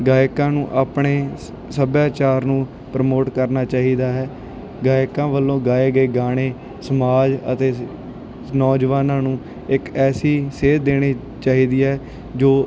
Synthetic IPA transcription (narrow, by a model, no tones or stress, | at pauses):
ɡaːjkãːnũːʔaːpɳeː | səbjaːt͡ʃaːɾnũː | pɾəmoːʈkəɾnaːt͡ʃaːɦiːd̪aːɦɛː | ɡaːɪkãːʋəlːõːɡaːeːɡəeːɡaːɽ̃eː | səmaːd͡ʒə̰t̪eː | nɔːd͡ʒʋaːnãːnũː | ɪkɛːsiːseːd̪eːɽ̃iː | t͡ʃaːɦiːd̪iːɛː | d͡ʒoː